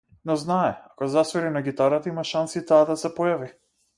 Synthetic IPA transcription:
nɔznaɛakɔzasvɛɾinaɡit̪aɾat̪aimaʃansit̪aːd̪asɛpɔjavi

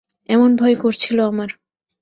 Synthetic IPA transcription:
ɛmonbʱɔekoɾt͡ɕʰiloamaɾ

